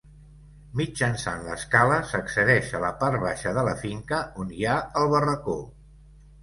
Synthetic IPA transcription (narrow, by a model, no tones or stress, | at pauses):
mid͡ʒənsa̰nlə̰skaləsəksəðɛʃələpaɾt̪βaʃəðələfiŋkəonjaəlˠβərəko